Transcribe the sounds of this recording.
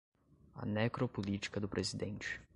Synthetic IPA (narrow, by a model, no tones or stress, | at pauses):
ɐ̰nekɾopolit͡ʃi̥kɐd̪ʊpɾʔezid̪ẽnt͡ʃɪ̥